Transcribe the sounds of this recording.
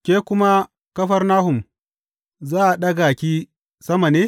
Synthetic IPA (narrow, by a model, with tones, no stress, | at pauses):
kʲeː˦kʷʊ˦ma˦ | kɐ˦ɸɐ˦rnaː˦hʊ˨m | zaː˦ʔa˨ɗɐ˦ɡa˨kʲiː˦ | sɐ˦ma˨neː˦